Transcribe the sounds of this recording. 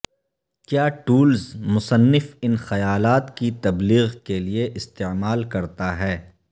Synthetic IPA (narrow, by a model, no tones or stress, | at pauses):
kjaːʈuːlzmʊsənːɪfɪnxɐjaːlaːt̪kit̪ɐbliːɣkelieʔɪst̪eːmaːlkɐɾt̪aɦɛː